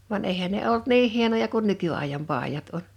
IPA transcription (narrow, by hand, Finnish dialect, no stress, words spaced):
ʋɑn eˑihæn ne olt niːŋ hienojɑ kun nykyɑˑijɑm pɑˑijɑt on̥